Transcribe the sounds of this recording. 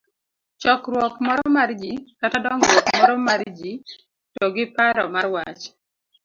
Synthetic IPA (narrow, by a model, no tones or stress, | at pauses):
t͡ʃɔkɾwɔkmɔɾɔmard͡ʒikatadɔŋɾwɔkmɔɾɔmard͡ʒi | tɔɡɪpaɾɔmarwat͡ʃ